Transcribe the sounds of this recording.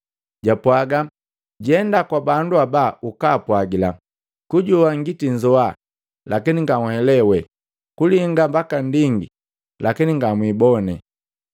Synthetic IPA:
ɟapwaɡa | ɟiɛndakwabanduabaukaːpwaɡila | kuɟuaŋɡitiɲd͡ʒɔa | lakiniŋɡaŋhɛlɛwɛ | kuliŋɡambakandiŋɡḭ | lakiniŋɡamwibɔnɛ̰

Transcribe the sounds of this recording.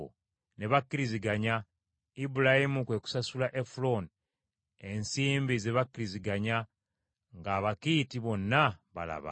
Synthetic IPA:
o̰ | ne̞βakːiɾiziɡaɲa | ibulahimukwe̞ku̥sasulaʔefulo̞n | e̞nsiːmbizeβakːiɾiziɡaɲa | ŋɡaːβakiːtiβo̞nːaβa̰la̰βa̰

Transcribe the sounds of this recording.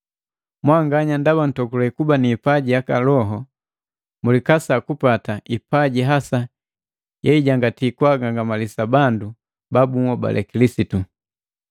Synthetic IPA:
mwaŋɡaɲandaban̩tɔkulɔikubaniːpaɟijakalɔɦɔ | mulikasakupataipaɟiɦasa | jɛiɟaŋɡatikwaɡaŋɡamalisabandu | babuŋɔba̰lʔɛ̰kilisitu

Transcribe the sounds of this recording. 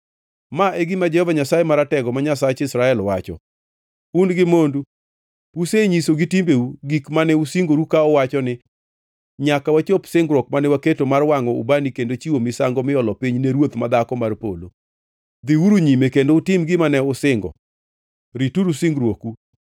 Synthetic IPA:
maʔeɡimad͡ʒɛhɔvaɲasajemaɾatɛɡɔmaɲasat͡ʃɪsɾaɛlwat͡ʃɔ̰ | unɡɪmondu | puseɲisoɡitimbeuɡikmanɛusiŋɡoɾukaɔwat͡ʃɔnɪ | ɲakawat͡ʃopsɪŋɡɾɔk̚manɛwaketomarwaŋɔṵbanikendot͡ʃiwomɪsaŋɡɔmɪɔlɔpiɲneɾwot̪mad̪akɔmarpo̰lo̰ | d̪iwuɾuɲimekendoutɪmɡɪmanɛʊsɪŋɡɔ̰ | ɾituɾusiŋɡɾwoku

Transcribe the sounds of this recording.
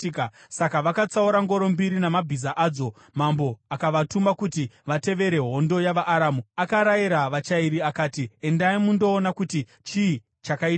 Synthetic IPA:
kasakaʋakat͡sauɾaŋɡo̞ɾo̞mbiɾinamabʱizaʔaːd͡zo̞ | mambo̞akaʋatumakutiʋate̞ʋe̞ɾe̞ɦo̞ndo̞jaʋaʔːɾaːmuakaɾajiɾaʋat͡ʃaiɾiakaːtie̞ndaimundo̞ːnakuti | t͡ʃi | t͡ʃakaia

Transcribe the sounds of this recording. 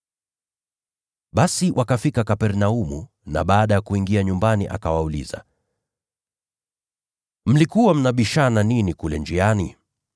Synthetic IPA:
ɓasiwʔakafikakapɛɾnaumu | na̰ɓaːɗajakuiŋɡiaɲumbaniʔa̰kawaulḭza̰ | m̩likuwam̩naɓiʃananinikulɛ̰nd͡ʒianḭ

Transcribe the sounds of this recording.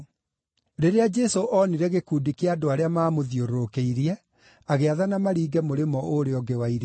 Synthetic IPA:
ɾeɾead͡ʒɛsoʔɔniɾɛɣekuːdikeadoaɾeamaːmoðjoɾokeiɾiɛ | aɣeaðanamaɾiːɡɛmoɾemɔoɾeɔɡewaiɾi

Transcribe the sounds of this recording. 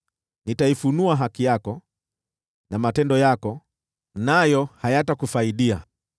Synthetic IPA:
nitaifunuaɦakijakɔ | namatɛndɔjakɔ | najɔhajatakufaiɗia

